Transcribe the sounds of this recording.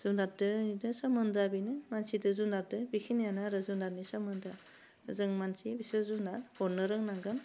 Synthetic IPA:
zundat̚dɯidɯsamɯndabinɯmansidɯzundat̚dɯbikʰinjanaaɾɯzundaɾnisamɯnda | zɯŋmansibisɯzundathɔɾnɯɾɯŋnaɡɯm

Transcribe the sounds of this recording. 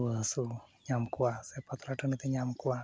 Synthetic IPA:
əɦsuɲamkuwasepət̪ɾaʈʰənit̪eɲamkuwa

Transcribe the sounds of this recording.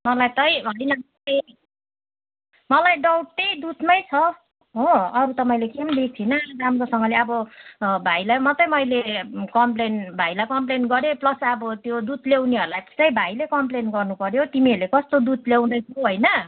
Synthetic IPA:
mʌlajt̪ʌjɦʌjnʌmʌtʌj | mʌlajɖʌwʈ̪̚ːʌjd̪ut̪mʌjt͡sʰʌ | ɦoʌɾut̪ʌmʌjlekemb̪ek̚t͡sʰinʌɾamkosʌŋɡʌleʌbʌbʱajlajmʌt̪ʌjmʌjlekʌmplenbʱajlajkʌmplenɡʌɾeplʌsʌbʌt̪jod̪ut̪lewniɦʌɾulajt̪e̥st̪ʌjbʱajlekʌmplenɡʌrnupʌɾjot̪imiʌɾlekʌst̪od̪ud̪̚ʱlew̃d̪ʌjt͡sʰʌɦʌjnʌ

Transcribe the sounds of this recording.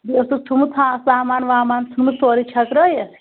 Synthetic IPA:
dosut͡sʰumut̪ʰãːsaːmaːnʋaːmaːnt̪ʰunmut̪oːɾit͡ʃʰɐkɾɐje

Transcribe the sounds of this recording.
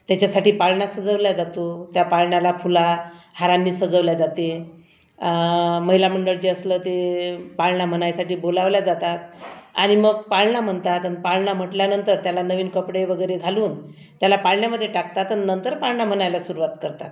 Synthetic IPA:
t̪jat͡ɕasaʈiːpaɭɳasəd͡zəʋljad͡zat̪ot̪japaɭɳjalafulahaɾanːiːsəd͡zəʋljad͡zat̪e | məɦilam̤əɳɖəɭd͡ʑeəslət̪epaɭɳam̤ənajasaʈiːbolaʋljad͡zat̪at̪̚aɽ̃iməɡ̚paɭɳam̤əɳt̪at̪anpaɭɳam̤əʈljanənt̪əɾt̪jalanəʋiːnkəpɽeʋəɡəjɾeɡʱaluːn | t̪jalapaɭɳjaməd̪ʱːjeʈak̚t̪at̪annənt̪əɾpaɭɳam̤əɳajljasuɾuʋat̪kəɾt̪a̰t̪

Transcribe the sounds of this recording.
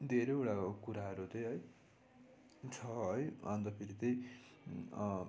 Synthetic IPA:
d̪ʱeɾʌjewʈakuɾaɦʌɾut̪ʌjɦʌj | t͡sʰʌʌjʌnt̪ʌpʰiɾit̪ʌj

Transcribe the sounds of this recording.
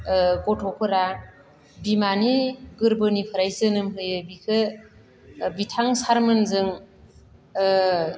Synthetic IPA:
kɔtʰɔpʰɯɾa | bimaniɡɯɾbɯnipʰɯɾajzɯnɯmɦɯjɯbikʰɯ | bitʰaŋsaɾmɯnzɯŋ

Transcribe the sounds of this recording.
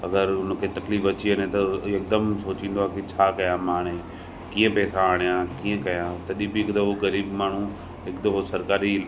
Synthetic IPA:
ɐɡəɾʊn̆kʰeːt̪ɐkliːfɐt͡ɕienẽt̪ɐɐk̚d̪əmsoːt͡ɕĩːn̆d̪oaːkit͡ɕʰaːkɐjãmaːɽ̃e | kĩːə̃pɛːsaːɽ̃ijãːkĩːə̃kɐjãːt̪ɐɗĩbiɪkd̪ɐoɣɐɾiːbmaːɳ̤u | ɪkd̪ɐʋosɐɾkaːɾi

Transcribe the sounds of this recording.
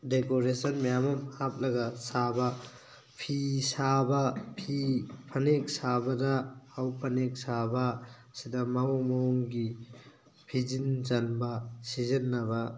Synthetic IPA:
dekoɾesɐnmajamɔmhap̚lɐɡɐsabɐ | pʰisabɐpʰipʰɐnek̚sabɐdɐːwpʰɐnek̚sabɐ | sidɐmaɔmoŋɡi | pʰizinzanbɐsizɐnːɐbɐ

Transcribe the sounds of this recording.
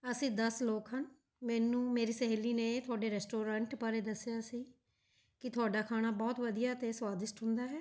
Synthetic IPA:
əsĩːd̪əsloːkɦən | mɛːnũːmeːɾiːsɛɦeliːnẽːt̪ʰʊaːɖeːɾɛːsʈoːɾãːɳʈpaːɾeːd̪əsɪjaːsiː | kɪt̪ʰʊaːɖaːkʰaːɽ̃aːbɔːt̪ʋəd̪ijaːt̪eːswaːd̪ɪsʈɦʊ̃nd̪aːɦɛː

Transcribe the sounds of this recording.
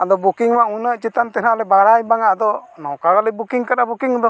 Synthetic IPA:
ad̪ɔbukiŋmaʔŋunəʔt͡ʃit̪ant̪ɛnalɛbaɾajbaŋaʔd̪ɔnɔwkaɾalɛbukiŋkaɗabukiŋad̪ɔ

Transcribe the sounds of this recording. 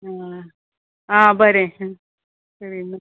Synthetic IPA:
a | abɐɾe | sɐɾimɐ

